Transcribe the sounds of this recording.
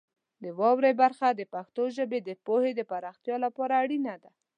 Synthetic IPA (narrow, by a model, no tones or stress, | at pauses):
d̪əwɑwɾebaɾxad̪əpaxt̪oʒəbed̪əpohed̪əpaɾɑxt̪jɑlapɑɾaːɽinad̪a